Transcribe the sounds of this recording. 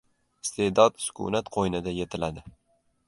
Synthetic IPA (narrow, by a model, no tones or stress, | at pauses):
ɪ̥st̪ʰe̞d̪ɒd̪sʊ̥kʰʊ̰nat̪qʰojnɪd̪aje̞t̪ʰɪlad̪ɪ